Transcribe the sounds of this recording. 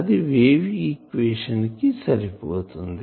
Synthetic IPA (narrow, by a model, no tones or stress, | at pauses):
d̪iʋeːʋiikʋeːʃɐnkisɐɾipoːt̪ɦund̪i